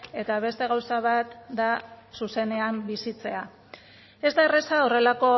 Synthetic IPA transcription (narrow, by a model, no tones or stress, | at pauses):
e̞t̪aβ̞e̞st̪e̞ɣawsaβ̞at̪d̪asuse̞ne̞ambisit͡se̞a | e̞zd̪aeresao̞re̞lako̞